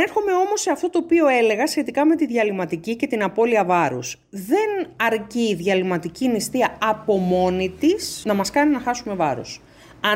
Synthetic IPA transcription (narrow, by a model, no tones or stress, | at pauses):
e̞ɾxo̞me̞o̞mo̞se̞ɐft̪o̞t̪o̞ːpio̞e̞le̞ɣɐsçe̞t̪ikɐme̞t̪iðʝɐlimɐt̪icice̞t̪inɐpo̞liɐvɐɾus | ðe̞nɐɾciːðʝɐlimɐt̪icinist̪iɐɐpo̞mo̞nit̪isnɐmɐskɐninɐxɐsume̞vɐ̰ɾṵs | ɐ